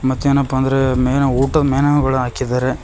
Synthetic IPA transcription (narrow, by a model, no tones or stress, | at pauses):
mɐt̪ːeːnɐpːɐɐnd̪ɐɾemenɐuːʈɐd̪ɐmeːnɐɡɐɭuɦaːkid̪aːɾe